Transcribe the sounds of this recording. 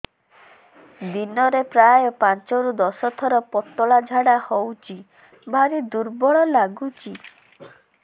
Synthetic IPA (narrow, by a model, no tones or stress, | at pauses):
d̪inɔɾepɾajɔpant͡ʃɔɾud̪ɔsɔt̪ʰɔɾɔpɔt̪ːɔɭad͡ʒʱaɽahowt͡ʃi | bʱaɾid̪uɾbɔɭɔlaɡut͡ʃi